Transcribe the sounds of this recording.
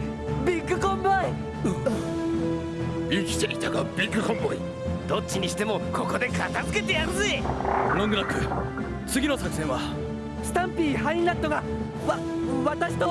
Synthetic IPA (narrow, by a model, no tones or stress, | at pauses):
bʲikːɯ̟kõmboi | ikʲi̥t͡ɕeɾʲit̪aɡabʲikːɯ̟kõmboɲi | d̪̥o̞t͡ɕːiɲ̟iɕi̥t̪e̞mo̞ko̞ko̞d̪e̞kat̪azɨ̥ke̞t̪e̞jasɨinãŋɡɯɾakɯ̟ | t͡sɨɡʲino̞sakɯsẽ̞ɰ̃βa | sɨ̥t̪ãmpʲiːhaĩnlãd̪o̞ɡa | βa | βat̪aɕi̥t̪o